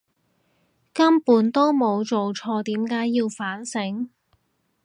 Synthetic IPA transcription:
kɐ˥mpuː˨˥nt̪o˥wmo˨˧wt͡so˨wt͡ʃʰɔː˧t̪iː˨˥mkaː˨˥jːiː˧wfaː˨˥nsɪ˨˥ŋ

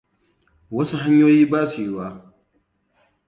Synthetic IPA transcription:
wɐ˦su˦ɦa˦ɲjoː˦jiː˦baː˦su˨jɪ˦waː˦

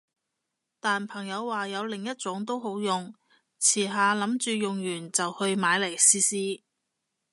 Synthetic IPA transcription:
t̪aː˨npʰɐ˨˩ŋjɐ˨˧wːaː˨jɐ˨˧wlɪ˨˩ŋjɐ˥t̚t͡sʊ˨˥ŋt̪o˥wɦo˨˥wjʊ˨ŋ | t͡sʰiː˨˩ɦaː˨lɐ˨˥mt͡ʃyː˨jʊ˨ŋjyː˨˩nt͡sɐ˨whɵ˧ɥmaː˨˧jle˨˩jsiː˧siː˧˥

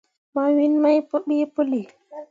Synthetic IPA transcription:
ma˨wi˦nma˦jpo˦ɓi˦po˦li˨

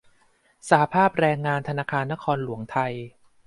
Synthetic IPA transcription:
sa˨˩a˦˧pʰaː˥˩p̚ɾɛː˧ŋːaː˧nt̪ʰa˧naː˧kʰaː˧nːa˦˥kʰɔː˧nlu˩˦əŋt̪ʰa˧j

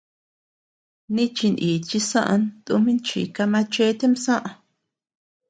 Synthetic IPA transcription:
nĩ˦t͡ʃi˧ni˨t͡ʃi˧sã˦ʔa̰˧nt̪ṵ˧mĩ˦nt͡ʃḭ˨ka˧mã˧t͡ʃe˦t̪e˦msã˦ʔã˧

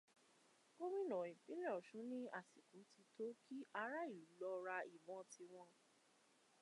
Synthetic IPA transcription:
ko˦wĩ˦˨nɔ̃˨ĩ˨pĩ˨˦ñ˦ɔ˨ʃũ˨˦nĩ˦a˦˨si˨ku˨˦ti˧to˦ki˦ʔa˧ɾa˦i˨u˨˦lɔ˧ɾa˧i˨bɔ̃˨˧tʰi˧w̃ɔ̃˧

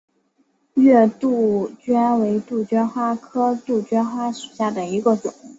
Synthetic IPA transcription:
ɥɛ˥˧t̪u˥˩t͡ɕɥɛ˥nwe˧˥ɪt̪u˥˩t͡ɕɥɛ˥nxwa˥kʰɤ˥t̪u˥˩t͡ɕɥɛ˥nxwa˥ʂu̥˨˩ɕja˥˩d̪ə˩i˧˥ɡə˧ʈ͡ʂʊ˨˩˦ŋ

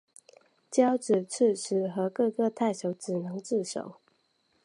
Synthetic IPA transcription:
t͡ɕjɑ˦˥ʊʈ͡ʂɻ̩˨˩t͡s̩ʰ˥˩ʂ̩ʰ˧˥˦xɤ˧˦kɤ˥˧kɤ˥˧t̪ʰa˥˨ɪɕjo˧˥ʊʈ͡ʂɻ̩˨˩nɤ˨˦ŋt͡sɹ̩˥˨ʂo̰˨˦ʊ

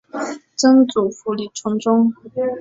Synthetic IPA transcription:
ʈ͡ʂɤ˥ŋt͡su˨˩fu˧˥li˨˩ʈ͡ʂʰʊ˧˥ŋʈ͡ʂʊ˥ŋ

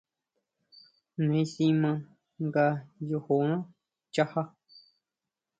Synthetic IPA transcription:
nẽ˨˦sĩ˧mã˧ | ŋɡa˧jo˧ho˨ã˦ | t͡ʃa˦˧ha˦

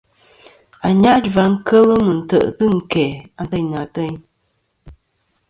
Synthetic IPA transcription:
a˨ɲa˦ʔd͡ʒva˨˦ŋ̩˦kʰə˦lə˦mə˨n̩˨tə̰˨ʔtɨ˦ŋ̩˨kɛ˨a˨n˨tə˦˨ɲa˨tə˦ɲ

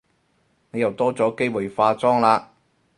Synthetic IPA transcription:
ne˨˧jɐ˨wt̪ɔː˥t͡sɔː˨˥ke˥jwuː˨jfaː˧t͡sɔː˥ŋlaː˧

